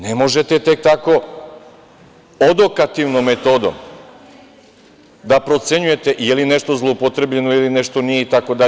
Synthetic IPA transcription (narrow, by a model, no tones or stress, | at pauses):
ne̞mo̞ʒe̞t̪et̪e̞k̚t̪ako̞ | od̪o̞kat̪iʋnomːet̪o̞d̪o̰m | d̪apɾo̞t̪se̞ɲuje̞t̪e̞ʔijelineʃt̪o̞zlˠoupot̪ɾe̞bʎe̞nojelineʃt̪o̞nijeit̪ako̞d̪a